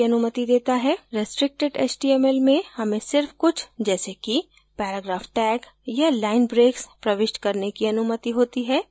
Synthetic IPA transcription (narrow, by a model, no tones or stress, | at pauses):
ɐnʊmət̪id̪eːt̪aɦɛːɾɪsʈɾɪk̚ʈeɖḛːt͡ʃʈiɛːmelmẽhɐmẽsɪɾfkʊt͡ʃʰd͡ʒɛːseki | pɛːɾaːɡɾaːfʈɛːk | jalaːɪnbɾeːkspɾɐʋɪʃʈkɐɾnekiɐnʊmət̪iɦoːt̪iɦɛː